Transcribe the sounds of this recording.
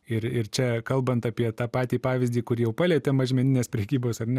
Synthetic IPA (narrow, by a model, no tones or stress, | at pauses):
ɪɾɪɾt͡ʃʲɛkɐlˠbɐnt̪ɑpʲiɛt̪ɑːpɑːt̪ʲiːpɑːʋʲɪzʲdʲiːkʊɾʲijɛʊpɑːlʲɛːt̪ʲɛmɐʒʲmʲɛnʲɪnʲeːspʲɾʲɛkʲiːboːsɐrnʲɛ